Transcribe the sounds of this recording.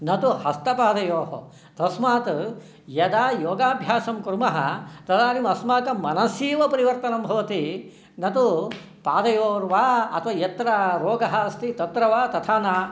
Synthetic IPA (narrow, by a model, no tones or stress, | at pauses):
nɐt̪uhɐst̪ɐpaːd̪ɐjoːɦɐ̰ | t̪ɐsmaːt̪ | jɐd̪aːjoːɡaːbʱjaːʃɐmkɾmɐɦɐ̰t̪ɐd̪aːɾimɐsmaːt̪ɐmɐnɐsiːʋɐpɐɾiʋɐɾt̪ɐnɐmbʱɐʋɐt̪i | nɐt̪u | paːd̪ɐjoːɾʋaːɐ̰t̪ʰʋajɐt̪ɾɐɾoːɡɐɦɐst̪ʰit̪ɐt̪ɾɐʋaːt̪ɐt̪ʰaːnaː